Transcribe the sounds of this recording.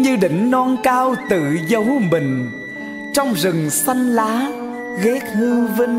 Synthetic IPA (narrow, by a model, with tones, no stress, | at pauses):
ɲɨ˧ɗï˧˩˨ŋ̟nɔ˧nkaː˧wt̪ɨ˧˨zə˨˦wmï˨˩ŋ̟ | t͡ɕɔ˧wŋ͡mzɨ˨˩ŋsa˧jŋ̟laː˨˦ | ɣɛ˦˥k̚hɨ˧wvi˧ŋ